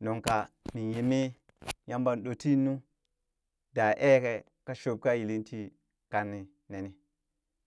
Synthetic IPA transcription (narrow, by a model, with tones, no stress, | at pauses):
no˨ŋka˨mi˨ji˨mi˦ | ja˦mba˨nɗo˨ti˦nu˦ | da˨ʔe˦ke˨ | ka˦ʃo˨b̚ka˦ji˨li˦nti˦ | ka˨nːi˨ | ne˨ni˦